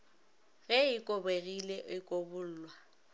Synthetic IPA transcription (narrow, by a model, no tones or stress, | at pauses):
ɣɛɪkʼobeɣileʔɪkʼobʊl̩ːlwa